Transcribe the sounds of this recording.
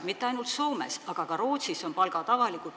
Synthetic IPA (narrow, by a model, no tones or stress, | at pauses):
mit̪ːeɑjnult̪soːme̞̰sɑɡ̥ɑkɑɾo̞ːt̪siso̞npɑlɡɑt̪ɑvɑliku